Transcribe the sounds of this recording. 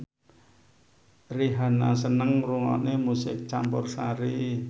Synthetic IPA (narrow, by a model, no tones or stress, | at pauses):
riɦanasənəŋruŋɔ̰nemusɪ̰k̚t͡ʃampʊrsaɾi